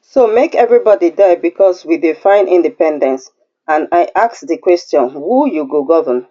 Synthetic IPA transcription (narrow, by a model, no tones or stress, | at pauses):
somekɛvɹibɔdidaɪbikʰɔswidifãɪ̃nʔĩndipɛ̃ndɛ̃ns | ãnaɪʔaksðəkw̥ɛstjɔ̃nwujuɡoɡɔvən